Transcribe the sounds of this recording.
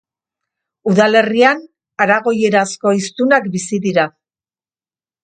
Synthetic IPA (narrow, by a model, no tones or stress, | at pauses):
uðale̞rian | aɾaɣo̞je̞ɾasko̞ist̪unakbisiðiɾa